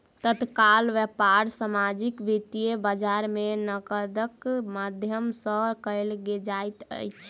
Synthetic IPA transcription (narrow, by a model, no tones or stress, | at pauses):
t̪ət̪kalʋɛpaɾsamad͡ʒikbit̪ijebəd͡ʒaɾmenəkəd̪əkmad̪ʱjəmsəkəɪlɡed͡ʒajt̪ə̰jt͡ʃʰ